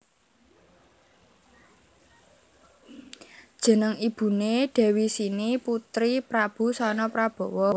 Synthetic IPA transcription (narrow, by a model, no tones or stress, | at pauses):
d̥ʒ̥ə̤nəŋib̥ṳneɖ̥ɛ̤wisiniput̪ɾipɾab̥ṳsɔnɔpɾab̥ɔ̤wɔ